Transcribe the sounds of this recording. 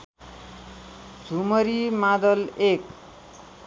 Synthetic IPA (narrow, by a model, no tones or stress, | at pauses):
d͡zʱumʌɾimad̪ʌlek̚